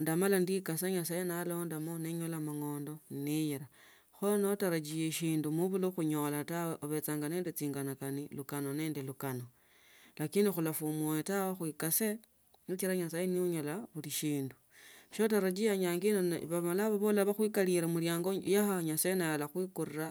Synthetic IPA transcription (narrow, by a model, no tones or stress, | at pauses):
ndamalandikasaɲasajenalo̞ndamoneɲolamaŋo̞ːndo̞nnijiɾa | xonotaɾad͡ʒijeʃiːndumuβuloxuɲolataweʔoβe̞t͡saːŋɡane̞ːndet͡siːŋɡanakanilukano̞ne̞ːndelukano̞ | lakiːndixulafumuetawexwikase | nit͡ʃiɾaɲasajeniuɲolaβuliʃiːndu | ʃo̞taɾad͡ʒiaɲaːŋɡinonβamalaβaβolaβaxwikaliɾamuljaːŋɡojaxaɲasaenajalaxwikurira